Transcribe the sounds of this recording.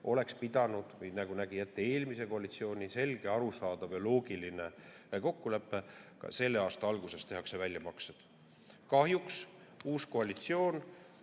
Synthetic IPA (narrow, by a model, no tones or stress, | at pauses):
ʔo̞le̞kspid̪̥ɑnud̪̥vɯjnɑɡ̥unæɡ̥ijæt̪ːee̞ːlmise̞ko̞ɑlit̪sio̞ːnʲise̞lɡ̥e̞ɑɾusɑːd̪̥ɑvelo̞ːɡ̥iline̞ | ko̞kːule̞pːˑe̞kɑ̰se̞lːe̞ɑːst̪ɑɑlɡ̥use̞st̪eɦɑkse̞vælʲjɑmɑksed̪̥ | kɑhjuks | uːsko̞ɑlit̪sio̞ːn